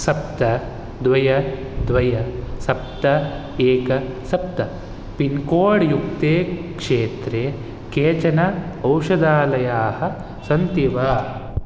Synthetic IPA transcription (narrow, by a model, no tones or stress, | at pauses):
sɐp̚t̪ɐ | d̪ʋɐjɐ | d̪ʋɐjɐsɐp̚t̪ɐ | eːkɐsɐp̚t̪ɐ | pinkoːɽjukt̪eːkʂeːt̪ɾeː | keːt͡ʃɐnɐɐwʃɐd̪aːlɐjaːhɐ̆ | sɐnt̪iʋaː